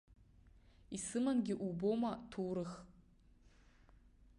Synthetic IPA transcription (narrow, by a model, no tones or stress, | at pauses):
isɨmanɡʲɪʔubomatʰuːɾɨx